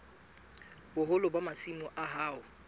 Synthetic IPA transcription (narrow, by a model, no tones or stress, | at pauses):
bʊɦʊlʊbamasimʊʔaɦaːʊ